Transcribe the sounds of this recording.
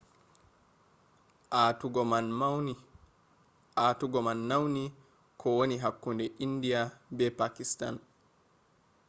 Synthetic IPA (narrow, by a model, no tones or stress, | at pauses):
auɡɔma | atuɡɔmanːawni | kʰɔwoniɦakːundɛʔindijabɛpakista̰n